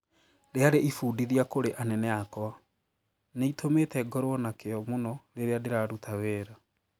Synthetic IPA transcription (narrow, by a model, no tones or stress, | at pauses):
ɾeaɾeʔifuːdiðiakoɾeʔanɛnɛakɔa | neitʰometɛɡɔɾwɔnakeɔmonɔɾeɾeadeɾaɾutʰaweːɾa